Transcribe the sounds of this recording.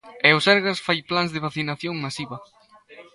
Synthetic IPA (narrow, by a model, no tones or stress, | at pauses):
ɛʊsɛɾɣasfajplanzðɪβaθinaθjoŋmasiβɐ